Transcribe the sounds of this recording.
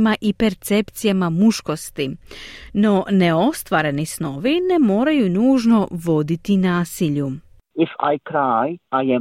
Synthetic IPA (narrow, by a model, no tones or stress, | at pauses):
maʔipe̞ɾt̪se̞pt̪sijamamuʃko̞st̪ino̞ne̞o̞st̪ʋaːɾe̞nisno̞ʋine̞mo̞ːɾajunuːʒno̞ʋo̞d̪it̪inaːsiʎu | ɪfa̰jkɾajʔajɛ